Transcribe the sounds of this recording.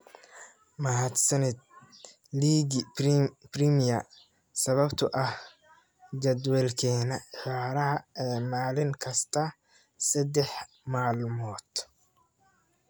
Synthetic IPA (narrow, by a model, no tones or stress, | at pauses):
mɐɦɐd̪sɐnɛd̪̚ | liːɡɪprimijɐ | sɐβɐbt̪ʰʊʔɐh | d͡ʒɐd̪wɛlkʰɛːnɐħaːɾɐɦɐɛːmaːlɪŋkʰɐst̪ʰɐ | sɐd̪ɛħ | maːlmɔːd̪̥